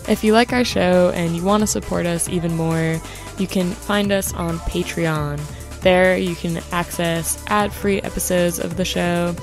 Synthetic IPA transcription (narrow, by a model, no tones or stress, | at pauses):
ʔɨfjɨlaɪkaʊə˞ʃoʊʔɨ̃njɨwɑ̃ntɨsəpʰɔ̰ɹɾʌsḭvɨ̃nmɔɹ | jɨkʰɨ̃nfãɪ̃ndʌsn̩pʰeɪtɹ̥iɑ̃n | ðə˞jɨkʰɨ̃næksɛsʔæd̥fɹiʔɛ̰pɨsoʊdzʌ̰vðɨʃoʊ